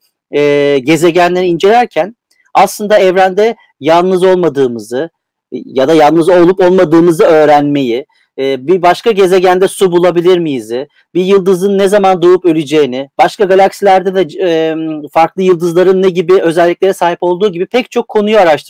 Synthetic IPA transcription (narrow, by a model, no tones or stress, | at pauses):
ɛːɟe̞ze̞ɟænlʲeɾiind͡ʒe̞lʲæɾcʰæn | aslˠɯnd̪aɛvɾænd̪ɛ | jalˠnɯzo̞lˠmad̪ɯːmɯzɯ | jad̪ajalnˠnɯzo̞lˠupo̞lˠmad̪ɯːmɯzɯø̞ːɾænme̞jɪː | bibaʃkaɟe̞ze̞ɟænd̪ɛsubulˠabilʲiɾmijizɪ | bijɯlˠd̪ɯzɯnːezamand̪oupø̞lʲyd͡ʒe̞jinɪb̥aʃkaɡalʲˠaksilʲæɾd̪ɛd̪ɛ | faɾklˠɯjɯlˠd̪ɯzlˠaɾɯnːeɟibiø̞zɛlʲːiclʲe̞ɾɛsaːɦipo̞lˠd̪uːɟibipʰɛct͡ʃʰo̞kʰːo̞nujoaɾaʃt̪ʰɯɾ